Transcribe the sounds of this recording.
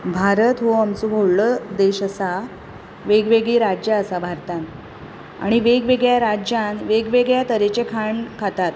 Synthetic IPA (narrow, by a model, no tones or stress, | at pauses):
bʱaɾət̪ɦoamsubʱoɽɭəd̪eɕəsa | ʋeɡʋeɡɭiɾad͡ʑjaəsabʱaɾt̪ãn | a̰ɽ̃iʋeɡʋeɡɭjaɾad͡ʑjãnʋeɡʋeɡɭjat̪əɾet͡ɕekʰaɳkʰat̪at̪